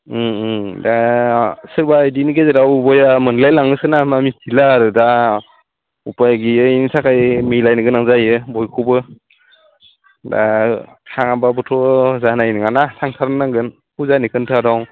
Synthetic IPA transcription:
da | sɯɾbajdiniɡezeɾawbɔjamɯnlajlaŋɯsɯnamamitʰilaɾɯda | upajɡiɯjnisakʰajmilajnɯɡɯnaŋzajɯbɔjkʰubɯ | da̰ | kʰaŋababɔtʰɔzanajniŋanasʰaŋtʰaɾnːaŋɡɯn | kuzanikʰɯntʰadaw

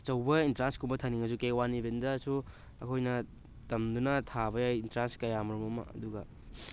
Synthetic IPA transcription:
t͡ʃɐwbɐintɾanskumbɐtʰɐniŋɐs̬ukewanibendɐsu | ɐ̰kʰojnɐ | tɐmdunɐtʰaβɐjajintɾanskɐjamɐɾumɐmɐ̰ɐ̰duɡɐ

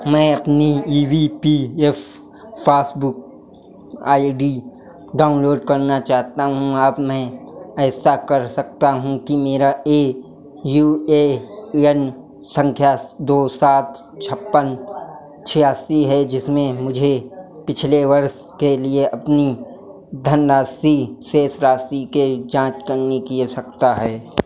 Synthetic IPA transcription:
mɛ̃ːɐpniiːʋipiːefː | aːsbʊk̚ | aːiɖi | ɖaːʊnloːɖkɐɾnat͡ʃaːɦt̪aɦũaːbmɛ̃ːɛːsakɐɾsɐk̚t̪aɦũkimeːɾaeː | juːeːɛn | sə̃ŋkʰjad̪oːsaːt̪ʰ | t͡ʃʰɐpːən | t͡ʃʰijaːsiɦɛd͡ʒɪsmẽmʊd͡ʒʱepɪt͡ʃʰleʋɐɾs | kelieʔɐpni | d̪ʱənɾaːsiseːsɾaːsiked͡ʒãːt͡ʃkɐɾnekisɐk̚t̪aɦɛː

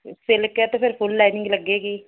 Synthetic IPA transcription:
sɪlket̪ẽːpʰɪɾpʰʊlːɛːnɪŋɡləɡːeːɡiː

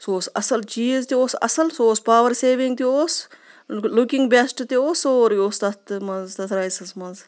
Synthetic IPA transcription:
soːsɐsɐlt͡ʃiːzt̪ioːsɐ̰sɐlsoːspaːʋəɾseːʋĩŋɡt̪ioːs | lʊkɪŋɡbesʈt̪ioːsoːɾjoːst̪ɐt̪mɐnzt̪ɐt̪ʰɾajsɐsmɐnz

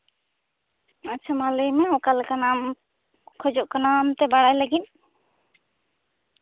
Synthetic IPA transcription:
atːt͡ʃʰamaləjmɛɔkalkanam | kʰɔd͡ʒɔʔkanamt̪ɛbaɽajlaɡit̪̚ˀ

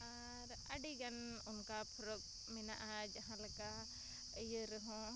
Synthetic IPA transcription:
a | ɾ | aɖiɡanunkapʰɾɔk̚ | mina̰ʔad͡ʒaɦãlaka | əjəɾəɦɔ̃

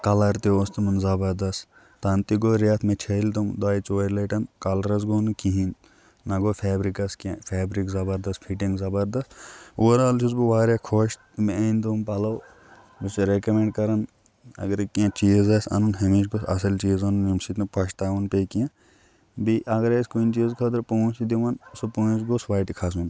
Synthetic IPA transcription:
kɐlɐɾt̪eoːst̪ɐmɐnzɐbɐɾd̪ɐs | t̪aːnt̪iɡoːɾjaːt̪ʰmẽt͡ʃʰɐlt̪umd̪aːit͡soːɾleʈɐnkɐlɾɐs̬ɡoːnukiɦin | nɐɡoːfʰɛːbɾikɐskiãpʰɛːbɾikzɐbɐɾd̪ɐst̪pʰiʈiŋɡzɐbɐɾd̪ɐst̪oɾaːlt͡ʃʰuzbiʋaːɾjakʰoːʃ | meɐnd̪umpɐlow | bisɾekɐmẽɳɖkɐɾɐn | ɐ̰ɡɐɾkiãt͡ʃiːzɐsɐ̰nunɦɐmiʃɡosɐ̰sɐlt͡ʃiːzɐnunimsit̪nɐ̃pɐʃt̪aːʋɐnpekiã | biʔɐɡɐɾeskuint͡ʃiːzkʰɐt̪ɐɾpuũsid̪iʋɐnsopoːit͡ʃɡosʋaːʈikʰɐsun

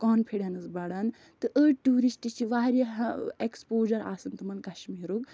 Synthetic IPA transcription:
kɔːnpʰeɽɐnɨsbɐɽan | t̪ɨʔəʈuːɾisʈit͡ʃʰiʋaːɾɐɦekspoːd͡ʒɐɾa̰ːsɐnt̪ɨmɐnkɐʃmiːɾuk

